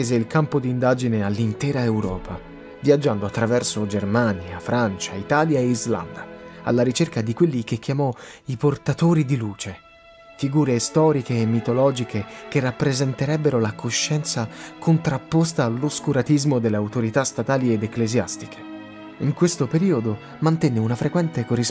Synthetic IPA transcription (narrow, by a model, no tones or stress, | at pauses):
eːzeilkampod̪iːnd̪aːd͡ʒinealːint̪ɛːɾaewɾɔ̰ːpʰa | vjad͡ʒːand̪oat̪ːɾavɛrsod͡ʒermaːnjafɾʔant͡ʃait̪aːljaeizla̰nd̪aa̰lːaɾit͡ʃerkad̪ikwelːik̟ekʰːjamɔiport̪at̪oːɾid̪iluːt͡ʃe | fiɡuːɾest̪ɔːɾikeːmːit̪olɔːd͡ʒikʰekerːapːɾezɛnt̪eɾɛbːeɾolakʰoʃːɛnt̪sakont̪ɾapːost̪aːlːoskuɾat̪izmod̪elːeawt̪oɾit̪ast̪at̪aːlied̪eklezja̰st̪ikʰe̥ | iŋkwest̪opeɾiːod̪o | mant̪ɛnːeunafɾekwɛnt̪ekoris